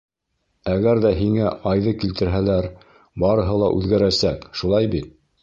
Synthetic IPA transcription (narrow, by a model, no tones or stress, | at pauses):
æɡæɾðæɦiŋæɑjðɤkilt̪ɘ̆ɾɦælæɾ | bɑɾɤ̆ɦɤlˠɑ̰ʔʉðɡæɾæsækʃulˠɑjbit̪̚